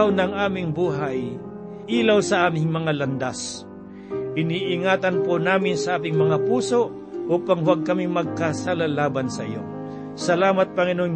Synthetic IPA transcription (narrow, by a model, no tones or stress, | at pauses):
wnɐŋʔaːmɪŋbuːɦaj | ʔiːlawsɐʔaːmɪŋmɐŋalɐnd̪as | ʔɪniːʔɪŋaːt̪ɐnponaːmɪnsɐʔaːt̪ɪŋmɐŋapuːsoʔ | ʔuːpaŋwaɡ̚kɐmɪmɐɡ̚kasalalaːbansɐʔɪ̰jo̰ | sɐlaːmat̪̚pɐŋɪnoŋ